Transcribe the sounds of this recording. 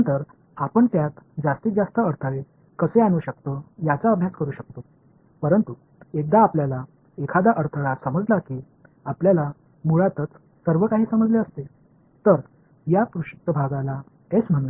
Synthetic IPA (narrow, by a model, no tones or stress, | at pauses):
ənt̪əɾ | apəɳt̪jat̪d͡zast̪iːd͡zast̪əəɾt̪ʰəɭe | kəseañuːɕək̚t̪ojat͡saəbʱjaskəɾuːɕək̚t̪o | pəɾənt̪u | ek̚d̪aːpljala | ekʰad̪aʔəɾt̪ʰəɭasəməd͡zlakiː | apljala | muɭat̪ət͡s | səɾʋəkaɦiːsəməd͡zleəst̪e | t̪əɾ | jakɾuɕi̥k̚t̪əbʱaɡala | et͡sm̤əɽ̃uː